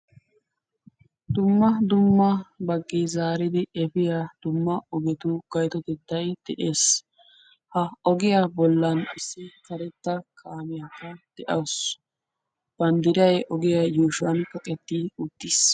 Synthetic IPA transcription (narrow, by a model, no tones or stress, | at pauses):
d̪ʊmːɐd̪ʊmːɐbɐɡːizaːɾɪd̪ɪɛfɪjad̪̥ʊmːɐɔɡɛt̪uɡ̥ɐjt̪ɔd̪ɪd̪ːɐjd̪̥ɛʔeːs | hɐɔɡɪjabɔlːɐnɪsːɪkɐɾɛt̪ːɐkʰaːmɪjɐkɐd̪̥ɛʔɐws | b̥ɐnd̪ɪɾɐjʔɔɡɪjajuːʃʊɐnkɐkʼɛt̪ːiʊt̪ːiːs